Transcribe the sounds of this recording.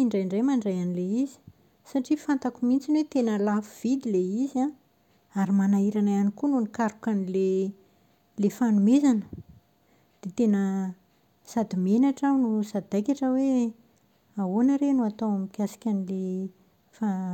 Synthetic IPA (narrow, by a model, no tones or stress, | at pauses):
iɳɖ͡ʐajɳɖ͡ʐajmaɳɖ͡ʐajanileizi̥ | saʈ͡ʂifant̪akumint͡sinwet̪enəlafuv̥id̪ileiza | aɾimanaiɾanaanikununikaɾukanile | lefanumezanə | d̪̥et̪enə | sad̪imenaʈ͡ʂawnusad̪ajkʲaʈ͡ʂəwe | awonaɾenuat̪owamikʲasi̥kʲanile | fa